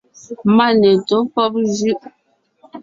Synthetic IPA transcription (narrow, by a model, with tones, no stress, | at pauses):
ma˦˨nɛ˨to˨˦pɔ˦p̚zʉ˦ʔ